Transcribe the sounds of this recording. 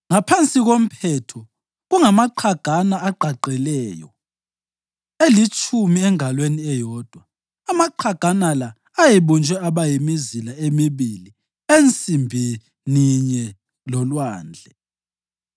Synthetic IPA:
ŋapʰant͡sʼiɣom̩pʰɛtʰɔ | ɣuŋamaǃʰaɡ̥ʱanaːǃʱaǃɛlɛːjɔ̰ | elit͡ʃʼʰumiɛŋʱalweniɛjɔːd̥ʱwaː | maǃʰaɡ̥ʱanalaː | jiβund͡ʒʱwɛaβajimizilaemiβili | ent͡sʼimbʱi | niɲɛ | lɔlwaːnd͡ɮʱɛ

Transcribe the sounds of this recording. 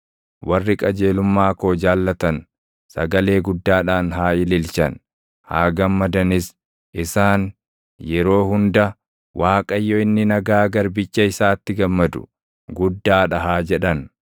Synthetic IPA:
wɐrːɪkʼɐd͡ʒe̞ːlʊmːaːkoːd͡ʒaːlːɐt̪ɐn | sɐɡɐle̞ːɡʊd̪ːaːᶑaːnɦaːɪlɪlt͡ʃɐn | ha̰ːɡɐmːɐd̪ɐnɪs | ʔɪsaːn | jɛɾo̞ːhʊnd̪ɐ | waːkʼɐjːɔɪnːɪnɐɡaːɡɐɾbɪt͡ʃːɐɪsaːt̪ːɪɡɐmːɐd̪ʊ̥̰ | ɡʊd̪ːaːᶑɐɦaːd͡ʒɛᶑɐn

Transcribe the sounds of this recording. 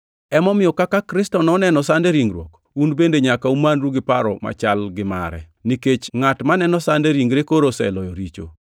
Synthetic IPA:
ɛmɔmɪjɔkakakɾɪstɔnɔnɛnɔsandeɾiŋɡɾwo̰k | unbendeɲakaumanɾuɡɪpaɾɔ̰ma̰t͡ʃalɡɪma̰ɾɛ̰ | niket͡ʃŋatmanɛnɔsandeɾiŋɡɾekoɾosɛ̰lɔjɔɾit͡ʃo̰

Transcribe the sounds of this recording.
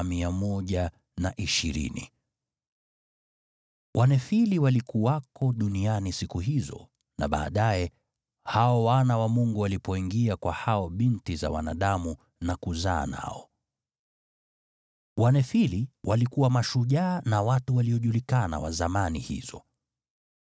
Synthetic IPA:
miamɔʄa | naʔiʃiɾḭnḭ | wʔanɛfiliwalikuwakɔɗunianisikuɦizɔ̰ | na̰ɓa̰ːɗajɛ | haɔwanawamuŋɡuwalipɔiŋɡiakwahaɔɓintiza̰wa̰na̰ɗamu | nakuza̰ːna̰ɔ | wʔanɛfiliwʔalikuwamaʃuʄaːnawatuwaliɔʄulikana̰wa̰zamanihḭzɔ

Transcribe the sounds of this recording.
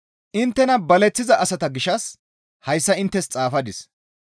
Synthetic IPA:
ʔɪnt̪ːɛnɐbɐlɛt͡sːɪzɐʔɐsɐt̪ɐɡɪʃɐs | hɐjsːɐɪnt̪ːɛst͡sʼaːfɐd̪ɪs

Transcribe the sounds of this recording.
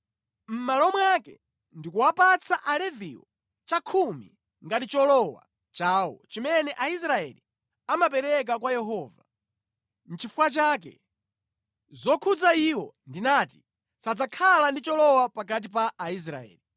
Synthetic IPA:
m̩malɔmwakɛ̰ | ndikuwapat͡sʰaʔalɛviwɔ | t͡ʃakʰumḭ | ŋɡatit͡ʃɔlɔwa̰ | t͡ʃaːwɔ̰t͡ʃimɛnɛʔais̬ɾaɛlḭ | amapɛɾɛk̬akwajɛɦɔːva̰ | m̩t͡ʃifuwat͡ʃak̬ɛ̰ | zɔkʰud͡zaiwɔ | ndinaːti̥ | sad͡zakʰalandit͡ʃɔlɔwapak̬at̬ipaːis̬ɾa̰ɛ̰ːli

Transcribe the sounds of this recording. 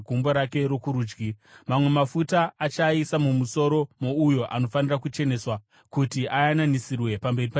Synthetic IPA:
ɡʱumboɾake̞ɾo̞kuɾuːd͡ʒɡimamwe̞mafutaːt͡ʃaisamumuso̞ɾo̞moujo̞ʔano̞fanirakut͡ʃe̞ne̞ːswa | kutiʔajananisirwe̞pambe̞ripa

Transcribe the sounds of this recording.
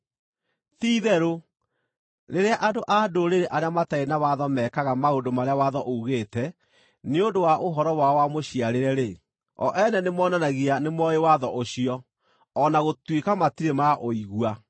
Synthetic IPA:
tiːðɛɾo | ɾeɾeaʔadoʔadoɾeɾeʔaɾeamataenawaðɔmɛːkaɣamaodomaɾeawaðɔʔouɣeːtɛ | neondowaʔoɦɔɾɔwawamoɕiaɾeɾɛɾe | ɔ̰ʔɛnɛnemɔːnanaɣianemwɔjewaðɔʔoɕiɔː | naɣotwekamatiɾemaʔoiɣwa

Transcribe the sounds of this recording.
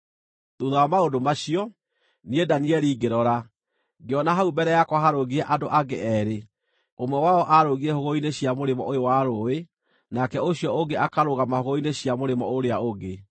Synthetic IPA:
tuðawamaodomaɕiɔ | niedaniɛɾiːɡeɾɔɾa | ɡeɔnaɦaubɛɾɛjakwɔɦaɾoɣiɛʔadoʔaɡḛʔɛɾe | omwɛwaɔʔaɾoɣiɛhoɣoineɕiamoɾemɔ̰ojowaɾowe | nakɛoɕjɔoɡeakaɾoɣamahoɣoineɕijamoɾemɔ̰oɾeaoɡe

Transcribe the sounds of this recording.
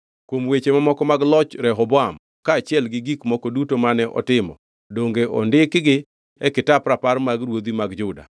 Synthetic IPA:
kwomwet͡ʃemamɔkɔmaɡlɔt͡ʃɾɛɦɔbɔam | kaːt͡ʃɪɛlɡɪɡikmɔkɔdutomanɛʔɔ̰tɪmɔ̰ | doŋɡeʔɔ̰ndɪkɡɪ | ɛkɪtapɾapaɾmaɡɾwod̪imaɡd͡ʒʊda̰

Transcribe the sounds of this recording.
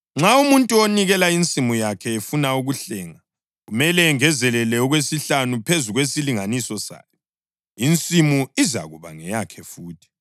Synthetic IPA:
ŋ͡ǁaumuntʼuoniɣɛlaint͡sʼimujakʰɛefunauɣuɬɛːŋa | ɣumɛlɛːŋɛzɛlɛlɛɔɣwesiɬanupʰezuɣwesiliŋanisɔsa̰ːjɔ | int͡sʼimuiza̰ɣuβa̰ŋɛjakʰɛfuːtʰi̥

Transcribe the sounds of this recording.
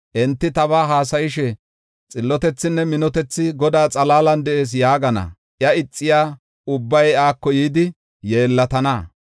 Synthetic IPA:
ʔɛnt̪ːɪt̪ɐβaːɦaːs̬ɐjɪʃɛ | t͡sʼɪlːɔt̪ɛt͡sːɪnːɛmɪnɔt̪ɛt͡sːɪɡɔd̪aːt͡sʼɐlaːlɐnd̪ɛe̞ːs̬jaːɡɐnɐ̰ | ʔjɐɪt͡sʼːɪjaː | ʊbːɐjaːkːɔjiːd̪ɪ | jeːlːɐt̪ɐna

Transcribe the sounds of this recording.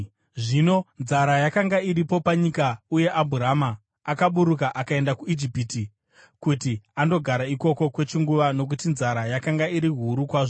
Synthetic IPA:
ʐino̞nzaɾajakaŋɡaiɾipo̞paɲikauje̞ʔabʱuɾamaː | kaɓuɾukaʔakae̞ndakuid͡ʒipiti | kutiando̞ɡʱaɾaiko̞ko̞kwe̞t͡ʃiŋɡuʋano̞k̬utinzaɾajakaŋɡaiɾiɦuɾukwaːʐo

